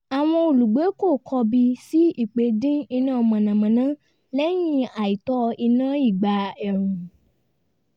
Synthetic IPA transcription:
a˨w̃ɔ̃˧o˨lu˨ɡ͡be˨˦ko˦˨kʰɔ˧bi˧si˦i˦˨k͡pe˨˦dĩ˦i˧nã˦ɔ˧mã˨nã˨mã˨nã˨˦ | lɛ˦j̃ĩ˦a˨i˨tɔ˦i˧nã˦i˦˨ɡ͡ba˨˧ɛ˨ɾũ˨

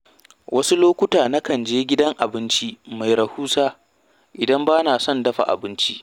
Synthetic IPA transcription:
wʔɐ˦su˦loː˦kʷʊ˦taː˨na˦kɐ˨nd͡ʒeː˦ɡʲɪ˦dɐ˦ŋʔa˨bɪ˦nt͡ʃi˦ma˨jɾɐ˨huː˦saː˦ | ʔɪ˨dɐ˦mbaː˦naː˨sɔ˦˨ndɐ˦ɸa̰˨ʔa̰˨bɪ˦nt͡ʃi˦ʔ

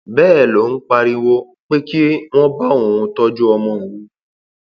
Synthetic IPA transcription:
bɛː˦˨lo˨˦n̩˦k͡pa˧ɾi˧wo˦ | k͡pe˦ki˦w̃ɔ̃˦ba˦˨w̃ɔ̃˨ũ˧tɔ˦d͡ʒu˦ɔ˧mɔ̃˧i˨wu˨˦

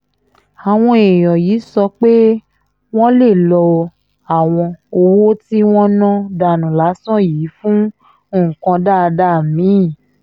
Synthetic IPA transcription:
a˨w̃ɔ̃˧e˨j̃ɔ˨jiː˨˦sɔ˧k͡pe˦ | w̃ɔ̃˦le˦˨lɔ˧ | a˨w̃ɔ̃˧o˧wo˦ti˦w̃ɔ̃˦nɔ̃˦da˧˨nũ˨la˨˦sɔ̃˦˨jiː˨˦fũ˦ | õ˦˨kã˧da˦˧da˦˨mĩ˨˦˨

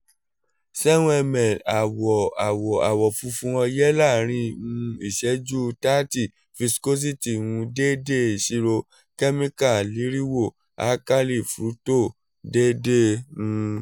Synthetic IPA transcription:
sɛ˦nũ˦ɛ˧mɛ̃˨la˨wɔ˨a˨wɔ˨a˨wɔ˨fu˧fũ˧ɔ˧jɛ˦la˦˨ɾ̃ĩ˧˨ũ˧˦i˦˨ʃɛ˨˦d͡ʒu˦ta˦ti˦˨ | fi˧sko˦s̬i˦ti˨wũ˧de˦de˦i˨ʃi˧ɾo˧ | kɛ˦mĩ˦ka˦˨li˨˦ɾi˦wo˦˨ | a̰˨˦ka˦li˦˨fɾu˨˦to˦˨ | de˦de˦ũ˧

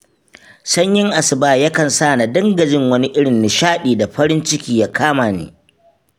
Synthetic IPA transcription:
sɐ˦ɲjɪ˦ŋʔa˨sɪ˨baː˦˨jɐ˦kɐ˨nsaː˦˨na˨dɐ˦ŋɡɐ˨d͡ʒɪ˦ŋwɐ˦ni˦ʔɪ˦ɽɪ˨nːɪ˨ʃaː˦ɗiː˨da˨ɸɐ˦ɾɪ˦nt͡ʃɪ˦kʲiː˨ja˦kʰaː˦maː˨nḛː˨˦

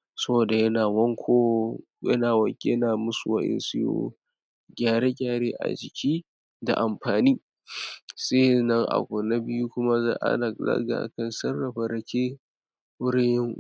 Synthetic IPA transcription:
sɐ˦boː˨da˨jɐ˦naː˨wɔ˦ŋkʷʰoː˦ | jɐ̰˦naː˨wɐ˦kʲjɐ˦naː˨mʊ˦su˨wɐ̰˦ʔɪ̰˦nsɪ˦jo̰ː˦ | ɡʲaː˦˨ɽe˦ɡʲaː˦ɽeː˦ʔa̰˨d͡ʒɪ˨kʲʰiː˦ | da̰˨ʔa˨mɸaː˨niː˦ | seː˦nɐ˦ŋʔa̰˨kʷʊ˨na˦bɪ˦ju˦kʷʊ˦ma˦za˦ʔa̰˦na˨za̰˦ɡa̰˨ʔkɐ˨nsɐ˦rːɐ˨ɸɐ˨ɾɐ˨kʲeː˦ | wʊ˦ɽɪ˦jɪ˦ŋ

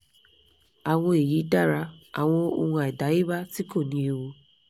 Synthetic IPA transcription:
a˨w̃ɔ̃˧e˨ji˨˦da˦˨ɾa˧a˨w̃ɔ̃˧o˧wɔ̃˧ɛ˨da˨˦i˦ba˦ti˦ko˦˨nĩ˧˦e˧wo˧

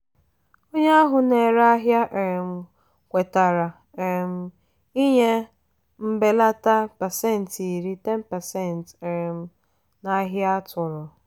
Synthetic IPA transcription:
o˦ɲe˦a˦ɦʊ˨ne˨ɾa˦ɦja˦ʔe˨ɾe˨m̩˨ | kʷe˨ta˨ɾa˨ | e˨ɾe˨m̩˦ | i˦ɲe˦ | m̩˦be˦la˦ta˦pa˨se˦˨n̩˨ti˨ɾi˦te˦m̩˦pa˨se˦˨n̩˨te˨ɾe˨m̩˦ | na˦ɦja˦tʊ˨ɾɔ˨

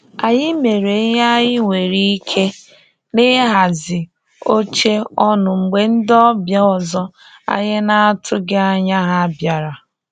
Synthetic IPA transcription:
a˨ɲɪ˦me˨ɾe˨˦ɲa˦ɲɪ˦ŋʷe˨ɾi˦i˦kʰe˦ | nɪ˦ɦa˨zɪ˨ | o˦t͡ʃe˦ɔ˦nʊ˨ŋ͡m̩˨ɡ͡be˨n̩˦dɔ˦bja˦ɔ˨zɔ˦ | a̰˨ɲɪ˦na˦a˦tʰʊ˦ɡe˦a˦ɲa˦ɦa˦bja˨ɾa˨

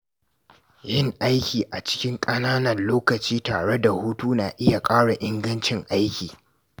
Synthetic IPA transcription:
jɪ˦˨ŋʔa˦jkʲiː˨ʔa˨t͡ʃɪ̥˦kʲɪ˦ŋkʼɐ˦naː˦nɐ˨nloː˦kɐ˨t͡ʃiː˦taː˨ɽe˦da˨huː˦tuː˦naː˨ʔɪ˦ja˨kʼaː˦ɽa˨ʔɪ˦ŋɡɐ˦nt͡ʃɪ˨ŋʔa˦jkʲiː˨

